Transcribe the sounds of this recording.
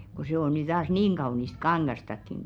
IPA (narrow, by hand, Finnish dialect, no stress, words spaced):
ko seˑ o ny tɑːs niːŋ ɡ̊ɑunist kɑŋɡ̊ɑstɑkːiŋ